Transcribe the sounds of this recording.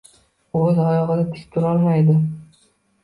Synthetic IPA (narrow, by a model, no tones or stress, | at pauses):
ɵzɒjɒʁɨd̪at̪ʰɪ̥st̪ʰʊɾɒlˠmajd̪ɪ